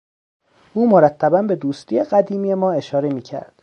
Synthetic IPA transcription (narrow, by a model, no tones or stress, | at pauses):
ʔuːmoɾæt̪ʰːæbænbe̞d̪uːst̪ʰiːjeɢæd̪iːmiːje̞mɒːe̞ʃɒːɾe̞miːcʰæ̰ɾd̪̥